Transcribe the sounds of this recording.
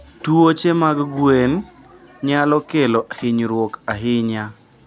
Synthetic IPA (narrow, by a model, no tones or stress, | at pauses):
tuot͡ʃemaɡɡwen | ɲalɔkelɔhɪɲɾwokaɦɪɲa